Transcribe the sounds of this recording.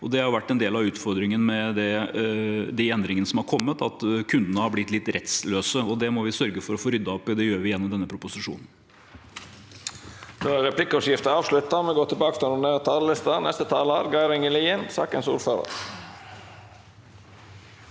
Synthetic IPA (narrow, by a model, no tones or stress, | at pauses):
ɔd̪ɛhɑɾjʊʋæʈːɛnd̪eːlɑʉːt̪fɔɾd̪ɾɪŋənmɛd̪ɛ | d̪ɪɛnd̪ɾɪŋənəsɔmhɑɾkʰɔmːət̪ɑt̪kʰʉnd̪ənəhɑɾblɪt̪ːlɪt̪ːɾʔɛt̪sløːsəɔd̪ɛmɔʋɪsœɾɡəfɔɾɔfoːɾʏd̪ːɑɔpːɪd̪ɛjøːɾʋɪjɛnːɔmd̪ɛnːəpʰɾʊpʊsɪʂṵːnən̩ | d̪oːæɾɾɛpʰlɪkːəɔʂjɪft̪əɑːʋʂlʉt̪ːɑmɛɡoːt̪ʰɪlbɑːkə̥fɾɑnʊnet̪ʰɑːləlɪst̪ɑnɛst̪ət̪ʰɑːlɑɾɡɑɪɾɛŋəliənsɑ̰ːkənsṵːɾføːɾə̰ɾ